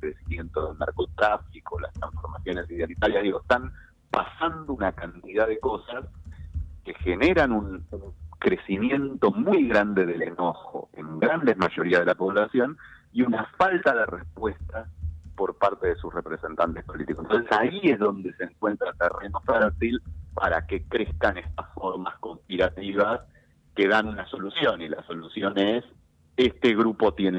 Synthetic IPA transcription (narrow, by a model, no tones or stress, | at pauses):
kɾesimje̞nt̪oðelna̰ɾko̞t̪ɾafiko̞la̰st̪ɾa̰ɱfo̞ɾmasjo̞ne̞siðealit̪aljaðiɣoest̪am | pasand̪ounakant̪iðaðe̞ko̞sas | ke̞xeneɾanunuŋkɾe̞simje̞nt̪o̞mujɣɾand̪e̞ðe̞leno̞xo̞̰e̞̰ŋɡɾand̪e̞zmaʒo̞ɾiað̞elapo̞βlasjo̞n | iunafalt̪aðerespwest̪apo̞ɾpaɾt̪e̞ðesusrepɾese̞nt̪ant̪ehpo̞lit̪ikoent̪onsesaiezðo̞nd̪e̞seŋkwe̞nt̪ɾat̪erenofeɾt̪ilpa̰ɾa̰ke̞kɾeskanest̪asfoɾmasko̞mpiɾat̪iβas | keðanunaso̞lusjo̞nila̰so̞lusjo̞nes | est̪eɣɾupo̞t̪jen